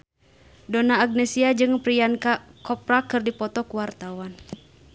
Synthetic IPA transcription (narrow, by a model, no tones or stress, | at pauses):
dɔnaːɡ̚nɛsiad͡ʒɨŋpɾiankakɔp̚rakɨrdipɔt̪ɔkuwart̪awan